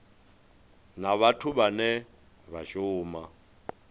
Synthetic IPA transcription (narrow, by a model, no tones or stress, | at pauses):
naβatʰuβanɛ | βaʃʊːma